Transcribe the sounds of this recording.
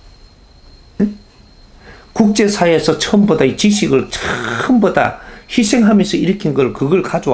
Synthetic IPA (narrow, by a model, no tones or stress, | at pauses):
kuk̚t͡ɕ͈e̞sʰaiesʰʌt͡ɕʰʌmbodait͡ɕiɕʰiɡɯɭt͡ɕʰɯɯmboda̰çisʰe̞ŋɦamjʌnsʰʌiɾɯkʰinɡʌɭkɯɡʌɭkad͡ʑowa